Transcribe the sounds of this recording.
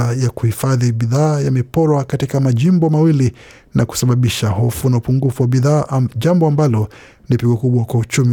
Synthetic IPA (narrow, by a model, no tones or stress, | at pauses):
ajakuhifaðiɓiðaːjamɛpɔɾwakatikamaʄimbɔmawili | nʔaku̥saɓaɓiʃahɔfunaupuŋɡufuwaɓiðaːʄambɔambalɔ | nipiɠɔkuɓwakwaut͡ʃum